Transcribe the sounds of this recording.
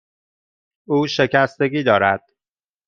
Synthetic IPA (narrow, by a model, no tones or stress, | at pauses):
uːʃe̞cʰæst̪e̞ɡʲiːd̪ɒːɾæd̪̥